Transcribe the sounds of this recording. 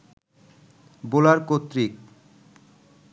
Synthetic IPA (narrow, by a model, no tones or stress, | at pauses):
bolaɾkot̪ːɾik̚